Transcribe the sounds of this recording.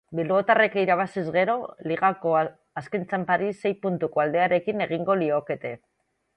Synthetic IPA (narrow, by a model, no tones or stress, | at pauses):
bilβo̞t̪are̞kiɾaβ̞asizɣe̞ɾo̞liɣako̞ | askent͡sampaɾisːe̞jpunt̪uko̞ald̪e̞aɾe̞kine̞ɣ̞iŋɡo̞lio̞ke̞t̪e̞